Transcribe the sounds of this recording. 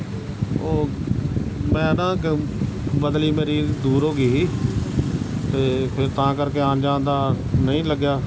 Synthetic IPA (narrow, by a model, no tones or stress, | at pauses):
oː | mɛ̃ːnãː | bəd̪liːmeːɾiːd̪uːɾɦoːɡiː | t̪eːpʰɪɾt̪ãːkəɾkeːaːnd͡ʒãːnd̪aː | nəĩːləɡjaː